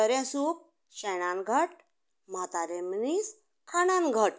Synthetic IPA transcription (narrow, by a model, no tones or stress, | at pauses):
əɾɛ̃sup̚ | ɕajnãnɡʱəʈ̚ | m̤at̪aɾẽmnis | kʰananɡʱəʈ